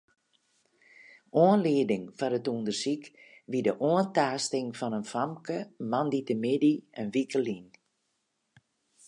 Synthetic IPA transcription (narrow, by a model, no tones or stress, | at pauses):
ʔoənliədɪŋfaɾətundərsikʋidəʔoəntaːstɪŋfɔnənfamkəmanditəmɪdiənʋikəlin